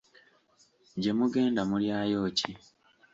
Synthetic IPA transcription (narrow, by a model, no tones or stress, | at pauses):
ɟe̞muɡe̞ːndamuljaːjo̞ːci